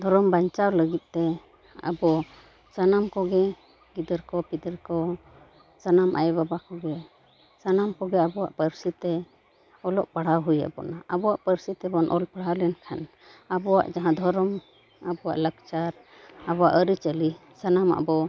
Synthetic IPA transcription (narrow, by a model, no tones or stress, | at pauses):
d̪ʱɔɾɔmbaɲt͡ʃawləɡit̪̚t̪ɛ | a̰bɔ | sanamkɔɡɛ | ɡid̪əɾkɔpid̪əɾkɔ | sanamʔa̰jbabakɔɡɛ | sanamkɔɡɛabɔwa̰ʔpəɾsit̪ɛ | ɔlɔʔpaɽ̤awɦuja̰ʔbɔ̰naʔabɔwaʔpəɾsit̪ɛbɔnʔɔlpaɽ̤awlɛnkʰan | abɔwa̰ʔd͡ʒaɦãd̪ʱɔɾɔm | abɔwa̰ʔləɡt͡ʃaɾ | abɔwa̰ʔəɾit͡ʃəli | sanama̰bɔ